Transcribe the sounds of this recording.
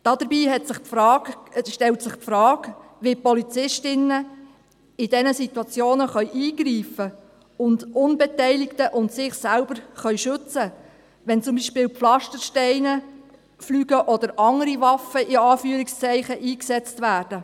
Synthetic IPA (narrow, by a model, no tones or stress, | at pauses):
d̥ɑdəɾbiːɦɛtsɪχpfɾɑ̥ːʃtɛltsɪχpfɾɑːɡ | ʋipɔlit͡sɪʃtɪnːə | ɪd̥ɛnəsitwɑt͡sjoːnəχœʏʔiːɡriːfə | ʊndʊnbɛtɛɪlɪktəʔʊntsɪχsælbəɾχœʏɥʃʏt͡sə | ʋɛnt͡sʊmbiːʃpɪːwpflɑʃtəɾʃtɛɪnə | flyːɡ̥əʔɔd̥̪əɾʔɑŋəɾiʋɑfəɪɑːfyəɾɪkst͡sɛɪχəʔiːksɛt͡stʋæːrd̥ə